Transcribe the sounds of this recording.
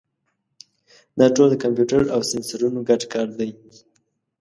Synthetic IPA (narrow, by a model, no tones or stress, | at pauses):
d̪ɑʈold̪əkampjuʈaɾawsɪnsaɾunoɡaʈkɑɾd̪aj